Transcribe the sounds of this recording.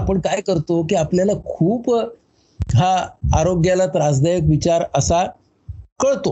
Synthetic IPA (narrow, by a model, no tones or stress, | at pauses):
apəɳkajkəɾt̪okiːapljalakʰuːp | ɦaaɾoɡjalat̪ɾad͡zd̪ʱajək̬ʋit͡ɕaɾəsa | kəɭt̪o